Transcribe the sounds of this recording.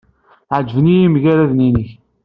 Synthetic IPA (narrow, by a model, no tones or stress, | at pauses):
ʕəd͡ʒəvnijimʝæɾæðninəç